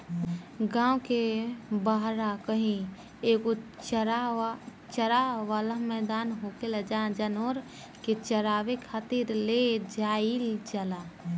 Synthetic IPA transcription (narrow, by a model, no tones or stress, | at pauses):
ɡãːwkebaɦɾakəɦĩ | eːkot͡ʃa | t͡ʃəɾaʋaːlamɛːd̪aːnɦoːkeləd͡ʒãːd͡ʒənoːɾ | ket͡ʃəɾaːʋekʰaːt̪iɾled͡ʒaːild͡ʒəla